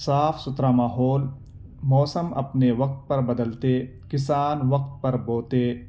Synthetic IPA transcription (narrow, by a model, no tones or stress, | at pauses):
saːfʰsʊt̪ɾaːmaːɦoːl | mɔːsəmɐ̰pneʋɐk̚t̪̚pɐɾbɐd̪əlt̪e | kɪsaːnʋɐq̚t̪̚pɐɾboːt̪eː